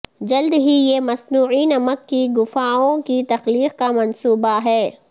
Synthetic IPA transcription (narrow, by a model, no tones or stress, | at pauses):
d͡ʒɐld̪ɦijemɐsnuːʕinɐməkːiɡʊfaːõkit̪ɐxliːqkamɐnsuːbaɦɛː